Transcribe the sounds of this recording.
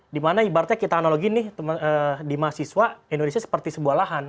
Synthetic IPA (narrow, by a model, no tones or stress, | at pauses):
dimanaibaɾat̪ɲakit̪aːnoloɡinɪht̪mədimasiswaindonesiasə̥pərt̪isəbuahlaɦan